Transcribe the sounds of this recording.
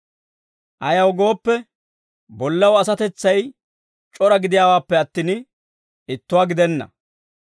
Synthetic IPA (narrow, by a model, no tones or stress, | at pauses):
ʔɐjɐwɡo̞ːpːɛ | bɔlːɐwɐsɐt̪ɛt͡sːɐj | t͡ʃʼɔɾɐɡɪd̪ɪjaːwaːpːɛɐt̪ːiːn | ɪt̪ːʊwaːɡɪd̪ɛnːɐ̰